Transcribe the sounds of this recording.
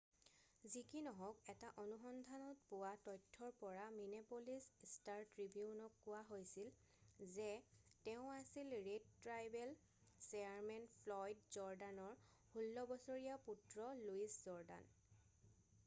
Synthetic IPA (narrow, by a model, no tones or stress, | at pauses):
zikinɔɦɔkɛtaʔɔnuxɔndʱanɔt̚puwatɔjtʰːɔɹpɔɹaminepolisstaɹtɹibiunɔkːʊwaɦojsil | zɛtɛʊ̃asilɹedtɹajbɛl | sɛaɹmɛnpʰlɔjdzɔɹdanɔɹhulːɔbɔsoɹijaputɹɔluiszɔɹda̰n